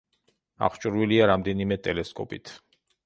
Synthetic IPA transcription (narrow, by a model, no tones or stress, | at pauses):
a̰χt͡ʃʼuɾviliaɾamd̪ɛnimɛt̪ʼɛlɛskʼɔ̰pʼḭt̪ʰ